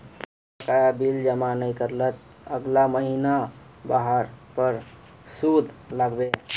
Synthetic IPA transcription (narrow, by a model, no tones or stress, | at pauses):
əkajabild͡ʒəmanəikəɾlət̪̚əɡlaməɦinabaɦəɾpəɾsud̪ʱləɡbe